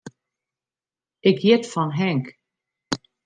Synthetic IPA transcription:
ɪkjɪtfɔnɦɛŋk

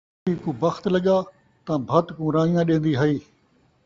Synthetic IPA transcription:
iːkũːbɐxt̪lɐɠaː | t̪ãbʱɐt̪kũːɾaːijãɗẽːn̆d̪iɦɐiː

